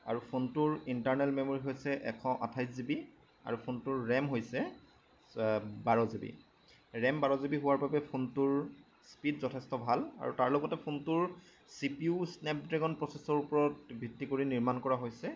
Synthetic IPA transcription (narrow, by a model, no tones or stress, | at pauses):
a̰ɹupʰontʊɹintaɹnɛlmemoɹiɦojsɛʔɛkʰɔ̃ʔa̰tʰajzibi | a̰ɹupʰontʊɹɹɛmɦojsɛ | baɹɔzibḭ | ɹɛmbaɹɔzibiɦʊwaɹbabɛpʰuntʊɹ | spidzɔtʰɛstɔbʱala̰ɹutaɹloɡɔtɛpʰuntʊɹ | sipiusnɛp̚dɹɛɡɔnpɹɔsesɔɹupɔɹɔt̚bʱitːikoɹiniɹmankɔɹaɦojsɛ